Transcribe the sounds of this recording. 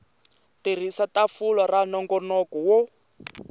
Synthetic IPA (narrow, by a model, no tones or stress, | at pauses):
tir̤isatafulɔranɔŋɡɔnɔkɔwɔ